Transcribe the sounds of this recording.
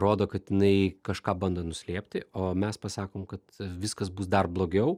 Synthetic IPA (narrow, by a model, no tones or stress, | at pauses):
ɾoːd̪oːkɐt̪jɪnɐɪkɐʃkɑːbɐnd̪ɐnʊsʲlʲiɛpʲt̪ʲɪoːmʲɛspɐsɑːkoːmkɐt̪ʋʲɪskɐsbuːsd̪ɐrblˠoːɡʲɛʊ